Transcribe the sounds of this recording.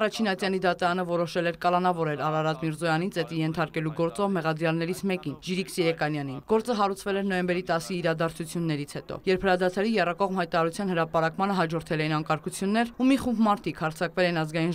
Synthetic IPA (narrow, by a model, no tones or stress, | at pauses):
rɑt͡ʃʰinɑt͡sjɑnid̪ɑt̪ɑɾɑnəvɔɾɔʃɛlɛɾkɑlɑnɑvɔɾɛɾɑɾɑɾɑd̪miɾzɔjɑnint͡sɛt̪ijɛnt̪ʰɑɾkɛluɡɔɾt͡sɔvmɛʁɑd̪ɾjɑlnɛɾit͡sʰmɛkinʒiɾikʰsɛɾɛkɑnjɑninɡ̥ɔɾt͡səɦɑɾut͡sʰvɛlɛɾnɔjɛmbɛɾit̪ɑsiːɾɑd̪ɑɾt͡sʰut͡sʰjunːɛɾit͡sʰhɛt̪ɔ̰jɛɾpʰhəɾɑd̪ɑt̪ʰɑɾijɛrɑkɔʁmhɑjt̪ɑɾɑɾut͡sʰjɑnhəɾɑpɑɾɑkmɑnəɦɑd͡ʒɔɾt̪ʰɛlɛjinɑŋkɑɾkʰut͡sʰjunːɛɾumiχumbmɑɾt̪ʰikʰhɑɾt͡sʰɑkvɛlɛnɑzɡɑjin